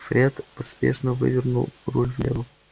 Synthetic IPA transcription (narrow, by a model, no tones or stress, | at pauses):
fɾʲet̪əspʲḛʂnəvɨ̰vʲɪrnulˠrulʲvlʲevə